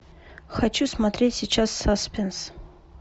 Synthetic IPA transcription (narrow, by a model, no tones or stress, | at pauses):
xɐat͡ɕusmɐt̪ɾʲetʲsʲit͡ɕasːaspʲens